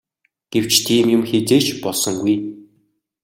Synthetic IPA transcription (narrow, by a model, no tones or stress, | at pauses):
ɡ̥ew̥t͡ɕt̪ʰiːmjʊmxet͡seːt͡ɕpɔɮsɞ̆ŋɡuj